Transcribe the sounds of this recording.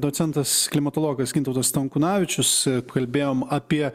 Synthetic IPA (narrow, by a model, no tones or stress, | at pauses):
d̪oːt̪sʲɛnt̪ɐsklʲɪmɐt̪oːlˠoːɡɐsɡʲɪnt̪ɐʊt̪ɐst̪ɐŋkʊnɑːʋʲɪt͡ʃʲʊskɐlʲbʲeːjoːmɐːpʲiɛ